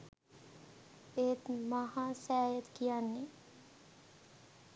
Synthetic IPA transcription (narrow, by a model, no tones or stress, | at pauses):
eːt̪mahãːsæːjət̪kijanːe